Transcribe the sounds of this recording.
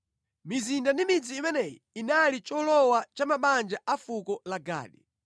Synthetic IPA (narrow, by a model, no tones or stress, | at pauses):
mizindandimid͡ziːmɛnɛjḭ | inalit͡ʃɔlɔwat͡ʃamaɓand͡ʒaʔafukɔlaɡa̰ːɗi